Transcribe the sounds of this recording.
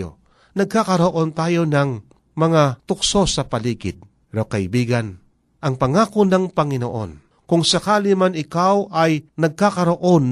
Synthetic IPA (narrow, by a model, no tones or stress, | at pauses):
o̰ | nɐɡ̚kakɐɾoʔo̞nt̪aːjo̞nɐŋ | mɐŋat̪ʊkso̞sɐpɐliːɡɪd̪̚ | pɛɾokɐʔɪbiːɡan | ʔɐŋpɐŋakonɐŋpɐŋɪno̰ʔo̰n | kʊŋsɐkaːlɪmanɪkawʔɐjnɐɡ̚kakɐɾoʔon